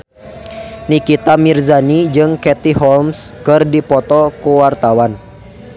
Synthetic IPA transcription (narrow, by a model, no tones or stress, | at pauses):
nikit̪amirzanid͡ʒɨŋkɛt̪iɦɔlmskɨrdipɔt̪ɔkuwart̪awan